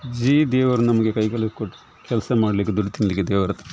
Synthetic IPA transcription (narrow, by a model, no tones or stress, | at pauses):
d͡ʒiːd̪eːʋɐɾnɐmɐɡekɐjkɐlɐskoʈː | kʲɛlsɐmaːɽɐlikːed̪uɖit̪inlikːed̪eːʋɐɾɐt̪